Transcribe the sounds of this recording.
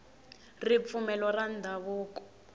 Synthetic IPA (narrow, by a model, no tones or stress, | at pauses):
rip̪fumɛlwɔrandʱaβuːkɔ̥